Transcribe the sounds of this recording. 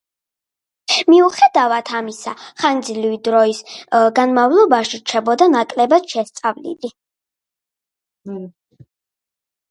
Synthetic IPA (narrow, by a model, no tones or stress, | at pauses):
miuχɛd̪avat̪ʰamisaχand̪zlivid̪ɾɔisɡanmavlˠɔbaʃiɾt͡ʃʰɛbɔd̪anakʼlɛbad̪ʃɛst̪sʼavlḭli